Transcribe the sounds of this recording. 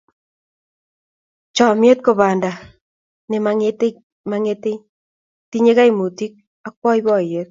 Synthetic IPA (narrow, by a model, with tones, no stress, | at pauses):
t͡ʃɔ˨mje˦t̚ko˨βaː˨nda˨ | ne˨maŋete | maŋe˦te˦ | ti˦ɲe˦ka˦i˨mu˨ti˦k̚ | ak̚wɔ˦i˦βɔ˦˨je˦t̚